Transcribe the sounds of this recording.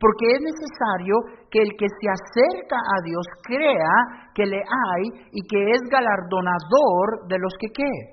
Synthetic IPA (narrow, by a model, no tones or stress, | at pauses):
po̞ɾke̞ezne̞se̞saɾjoke̞ːlke̞sease̞ɾkaʔaðjo̞skɾe̞ake̞le̞ʔajike̞ezɣalaɾðo̞naðo̞ɾðe̞lo̞ske̞ke